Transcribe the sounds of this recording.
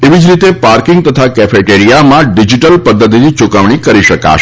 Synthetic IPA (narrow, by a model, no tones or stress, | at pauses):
eʋid͡ʒɾit̪epaɾkɪŋɡ̚t̪ət̪ʰakɛfeʈeɾijamãɖid͡ʒiʈəlpəd̪ːət̪̬init͡ʃukəʋɳ̃ikəɾiʃəka̰ʃ